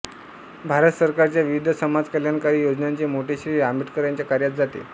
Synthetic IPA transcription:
bʱaɾət̪səɾkaɾt͡ɕjaʋiʋid̪ʱəsəmad͡zkəljankaɾiːjod͡znaɲt͡ɕemoʈeɕɾiamiʈkəɾjaɲt͡ɕjakaɾjat̪̚d͡zʱat̪ḛ

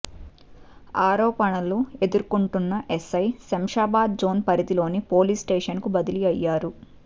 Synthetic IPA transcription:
aːɾɔːpɐɳɐlue̞d̪uɾkuɳʈunːɐʔesɐjsɐmʂaːbaːd̪̚d͡ʒo̞ːnpɐɾit̪ilo̞ːnipoːliːsʈeːʂɐnkubɐd̪iliɐjːaːɾu

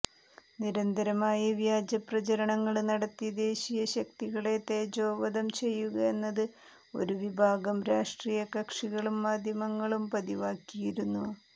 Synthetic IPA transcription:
niɾɐnd̪ʱɐɾɐmaːjɐʋjaːd͡ʑɐprɐt͡ɕɐɾɐɳɐŋːɐɭnɐɽɐt̪ːid̪e̞ːɕijɐɕɐkt̪iɣɐɭe̞t̪ːeːd͡ʑo̞ːʋɐðɐmt͡ɕe̞jːuɣɐe̞nːɐðɨ | o̞̰ɾuʋibʱaːɡɐmɾaːʂʈriːjɐkɐkʂiɣɐɭumːaːd̪ʱjɐmɐŋːɐɭumpɐðiʋaːkːijiɾunːuɐ

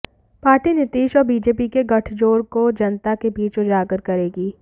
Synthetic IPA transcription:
paːɾʈinɪt̪iːʃɔːɾbiːd͡ʒeːpikeɡɐʈʰd͡ʒoːɾkod͡ʒɐnt̪akebiːt͡ʃod͡ʒaːɡəɾkɐɾeːɡiː

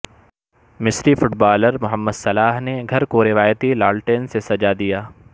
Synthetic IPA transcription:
mɪsɾifʊʈ̚baːləɾmʊɦəmːəd̪sɐlaːɦneɡʱɐɾkoɾɪʋaːjət̪ilaːlʈensesɐd͡ʒad̪ijaː

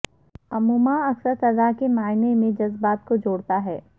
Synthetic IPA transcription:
ɐmuːmaɐksəɾsɐɾd̪aːkemaːɪnemẽd͡ʒɐzbaːt̪̚kod͡ʒoːɽt̪aɦɛː

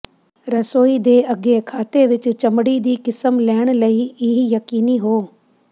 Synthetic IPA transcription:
ɾɐsoːid̪eːɐɡekʰaːt̪eʋɪt͡ɕʊ̆t͡ʃɐmɪɽid̪iːkɪsəmlɛːɪɽ̃lɐiɪɦijɐkiːniɦoː

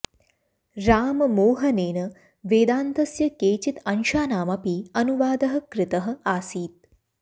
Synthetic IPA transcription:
ɾaːmɐmoːɦɐneːnɐ | ʋeːd̪aːnt̪ɐsjɐkeːt͡ʃit̪ɐnʃaːnaːmɐpiːɐnuʋaːd̪ɐɦɐ̆kɾɪt̪ɐɦɐ̆aːsiːt̪̚

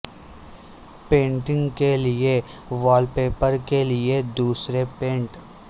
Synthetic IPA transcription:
pẽːɳʈɪ̃ŋɡkelie | ʋɔːlpeːpəɾkelied̪uːsɾepẽːɳʈ

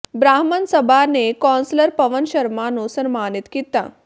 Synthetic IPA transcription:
bɾaɦmənsəbʱanekɔnsləɾpəʋənɕəɾmanosəɾmaːnit̪kit̪a̰

